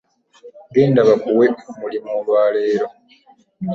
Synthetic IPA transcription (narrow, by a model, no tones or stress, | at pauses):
ɡeːndaβabuwemulimoβaːleːɾo